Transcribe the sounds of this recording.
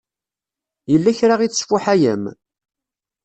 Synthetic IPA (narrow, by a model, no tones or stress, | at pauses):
jəlːæçɾaʁit͡sːsfʊħæjə̰m